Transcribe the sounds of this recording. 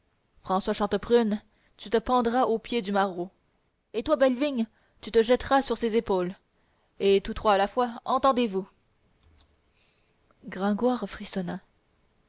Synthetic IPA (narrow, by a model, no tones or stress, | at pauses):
fχɑ̃swaʃɑ̃t̪əpʁyn | t̪yt̪əpɑ̃d̪ʁaʔopjed̪ymaʁo | et̪wabɛlviɲ | t̪yt̪əʒɛt̪ʁasyʁsezepoːl | et̪ut̪χwaːlafwaɑ̃t̪ɑ̃d̪evu | ɡʁɛ̃ɡwaʁfχisɔna